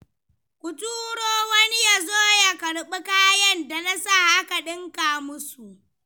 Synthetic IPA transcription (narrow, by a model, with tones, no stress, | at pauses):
kʷʊ˨tuː˦ɽoː˦wɐ˦ni˦ja˨zoː˦ja˨kɐ˨ɽɓɪ˦kaː˦jɐ˦˨nda˨na˦sa˦˨ʔa˦ka˨ɗɪ˦ŋkaː˨mʊ˦su˨ʔ